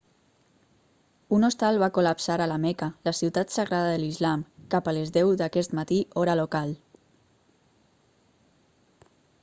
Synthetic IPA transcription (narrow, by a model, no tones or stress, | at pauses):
unost̪alˠβakulapsaɾalamɛkaləsiwt̪at̪səɣɾaðəðəlizlamkapəlezðɛwðakɛst̪mat̪iʔɔɾalokal